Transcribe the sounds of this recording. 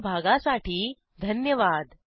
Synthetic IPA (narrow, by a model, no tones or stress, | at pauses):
bʱaɡasaʈiː | d̪ʱənjəʋad̪